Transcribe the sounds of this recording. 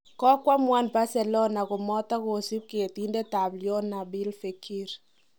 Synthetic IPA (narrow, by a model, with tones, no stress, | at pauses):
kɔ˦kwa˦mwa˦nba˦sɛ˨lɔ˦na˨kʊ˨mɔ˦ta˦ko˨si˦p̚ke˨ti˦nde˦ta˨bljɔ˦na˨bi˦lfe˨kʰi˦ɾ